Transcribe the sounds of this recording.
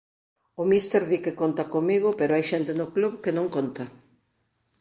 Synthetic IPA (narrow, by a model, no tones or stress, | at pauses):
ʊmist̪eɾðikekont̪ɐkomiɣ̞ʊpeɾoajʃɛnt̪enʊkluβkenõŋkont̪ɐ